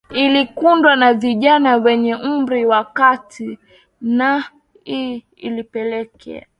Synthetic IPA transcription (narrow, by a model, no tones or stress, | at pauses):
ilikundwanaviʄanawɛɲɛm̩mɾiwakatʰi | na | i | ilipɛlɛkʰɛ̰a